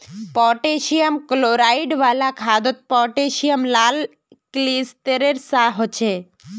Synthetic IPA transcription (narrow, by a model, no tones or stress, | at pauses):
pɔʈeʃiəmkloɾaiɖʋalakʰad̪ɔt̪̚pɔʈeʃijəmlal | klist̪eɾeɾsaɦɔt͡ʃʰe